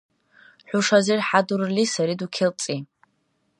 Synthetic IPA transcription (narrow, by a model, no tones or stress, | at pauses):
ħʷʊʂazirħadurlisaɾidukʲʰɪlt͡sʼi